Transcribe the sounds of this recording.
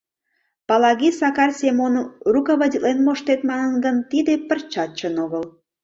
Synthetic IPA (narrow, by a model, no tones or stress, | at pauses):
pɑlɑɣisɑkɑrsʲemonrukɑβɑdʲilenmoʃt̪et̪mɑnənɡənt̪id̪epərt͡ɕɑt͡ɕːənoɣəl